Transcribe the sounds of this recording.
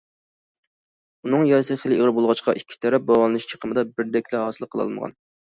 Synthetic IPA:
unɨŋjɑɾsɨχəlɪeʁəɾbolˠʁɑt͡ʃqʰɑʔikʲʰːi̥t̪ʰɛɾɛp̚bɑʁlˠɨnɨʃt͡ʃʰə̥qʰəmɨd̪ɑbɪɾd̪ɛkʲʰlɛhɑːsɨlˠqʰəlˠɑ̰lˠmə̰ʁɑ̰n

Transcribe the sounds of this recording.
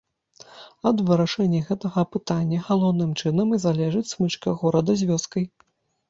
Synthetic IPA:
ɐd̪vɨɾaʂɛnʲːɐɣɛt̪ɐɣɐpɨt̪anʲːɐɣalˠɔwnɨmt͡ʂɨnɐmizalʲɛʐɨt͡sʲsmɨt͡ʂkɐɣɔɾɐd̪ɐzʲvʲɔskɐj

